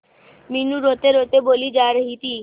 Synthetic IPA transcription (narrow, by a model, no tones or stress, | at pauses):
minuɾot̪eɾot̪ebolid͡ʒaɾɦit̪i